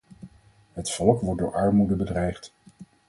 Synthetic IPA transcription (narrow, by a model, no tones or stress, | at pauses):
ɦətfɔlˠkʋɔɹt̚dʊ̰ːɹɑɹmudəbədrɛjχt